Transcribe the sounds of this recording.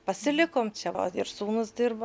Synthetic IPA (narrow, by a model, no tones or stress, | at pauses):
pɐsʲɪlʲɪkoːmt͡ʃʲɛo̰ɪɾsuːnʊsd̪ʲɪɾbɐ